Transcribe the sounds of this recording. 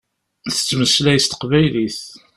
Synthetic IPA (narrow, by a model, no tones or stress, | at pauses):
θə̥t͡sːməslæjst̪ə̥qvæjliθ